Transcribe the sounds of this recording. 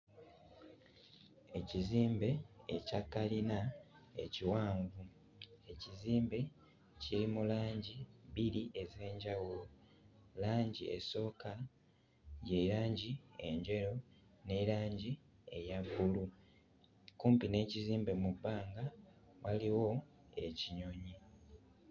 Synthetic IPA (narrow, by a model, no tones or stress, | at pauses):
e̞ciziːmbe̞̰ːcakːalina | e̞̰ciwaːɱvu | e̞ciziːmbe̞ | ciɾimulaːɲɟiβiɾiʔe̞ze̞ːɲɟawulo | laːɲɟie̞̰so̞ːka | je̞ɾaːɲɟie̞̰ɲɟe̞ɾo̞ | ne̞ɾaːɲɟi | e̞̰jaβːulu | kuːmpine̞ːciziːmbe̞mubːaːŋɡa | waliwo̞ | e̞ciɲo̞ɲi